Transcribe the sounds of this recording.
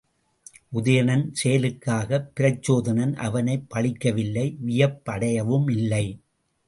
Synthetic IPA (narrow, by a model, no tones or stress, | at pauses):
ʔʊðɐjɐnɐnsɛjɐlɯkːaːɣɐpːɪɾɐt͡ʃːoːðɐnɐnʔɐ̰ʋɐnɐɪpːɐɭɪkːɐʋɪlːɐɪʋɪjɐpːɐɽɐjɐʋɯmɪlːɐɪ